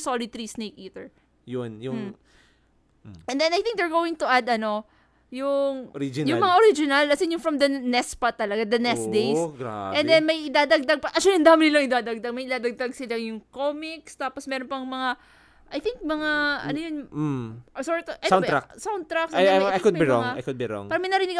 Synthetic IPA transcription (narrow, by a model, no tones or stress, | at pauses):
solɪt̪ɾiːsnejkiːt̪ɛɹ | jʊnjʊm | ʔɛ̃nd̪ɛnɐjθɪ̃ŋk̚d̪ɛɹɡoːwɪŋt̪ʊʔad̪ɐno̞ | jʊŋɾid͡ʒɪjʊŋmɐŋaʔoɾid͡ʒɪnɐlɐsɪnjʊŋfɾɐmd̪ɐnɛspɐt̪ɐlɐɡad̪ɐnɛsd̪ejsɡa̰ʔɛnd̪ɛnmɐjʔɪd̪aːd̪ɐɡ̚d̪ɐɡ̚pɐʔɐʃolɐnd̪aːmɪnɪlaŋɪd̪aːd̪ɐɡ̚d̪ɐɡ̚mɐjɪd̪aːd̪ɐɡ̚d̪ɐɡsɪlaŋjʊŋkomɪkst̪aːposmɛːɾonpɐŋmɐŋa | ʔɐjθɪŋk̚mɐŋaʔɐ̰nojon̩ | ʔsɔɹt̪ʔasaw̪ɾaksawnd̪̚t̪ɾaksajajkʊd̪biɾɔŋa̰jkʊd̪̚biɾɔ̰ŋpaːɾɐmɐjnɐɾɪnɪɡ